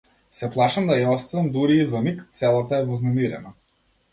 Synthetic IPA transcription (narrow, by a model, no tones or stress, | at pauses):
sɛplˠaʃamd̪ajaɔst̪avɛmd̪uɾiːzamikt̪sɛlˠat̪aɛvɔznamiɾɛ̰na